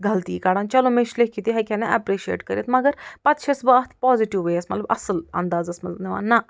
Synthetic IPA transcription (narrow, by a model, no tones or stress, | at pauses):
ɡɐlt̪iːkaːɽaːnt͡ʃɐlomeʃlekːit̪iɦɐkʲʰɛnɐʔɐpɾiːʃiḛːʈkɐɾʲjit̪mɐɡəɾpɐt̪ʃʰɐsbaːt̪ʰpɔːziʈiʋʋeɐsmɐt̪lɐbʔɐ̰səlɐ̰nd̪aːzɐsmɐt̪lneʋa̰ːnɐ